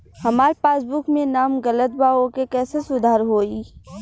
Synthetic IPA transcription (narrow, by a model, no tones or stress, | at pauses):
hɐmaːɾpaːsbʊkmẽnaːmɡɐlət̪̚baːokekɛːsesʊd̪ʱaːɾɦoːiː